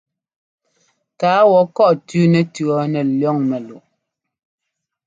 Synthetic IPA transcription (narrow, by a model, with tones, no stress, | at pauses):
kaː˨˦wɔ˨kɔ˦ʔtʉ˦nɛ˨tʉ˨ɔ˦nɛ˨ljɔ˦ŋmɛ˨lu˨ʔ